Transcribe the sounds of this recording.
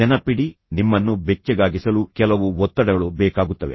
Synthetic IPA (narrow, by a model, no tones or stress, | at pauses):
ɛnɐpiɽinimːɐnːubɛt͡ʃːɛɡaːɡisɐlukɛlɐʋuɔt̪ːɐɽɐɡɐɭubɛːkaːɡut̪ːɐʋḛ